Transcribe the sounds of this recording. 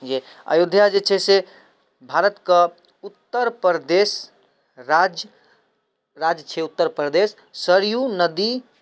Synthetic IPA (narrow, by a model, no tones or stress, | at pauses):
d͡ʒe | a̰jud̪ʱjad͡ʒet͡ʃʰɛse | bʱaɾət̪kə | ut̪ːəɾpɾd̪es | ɾad͡ʒ | ɾad͡ʒt͡ʃʰɛut̪ːəɾpɾəd̪esː | əɾjunəd̪i